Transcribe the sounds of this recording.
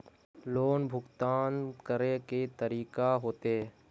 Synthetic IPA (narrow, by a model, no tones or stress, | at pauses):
loːnbʱʊkt̪aːnkəɾeket̪əɾiːkaɦoːt̪e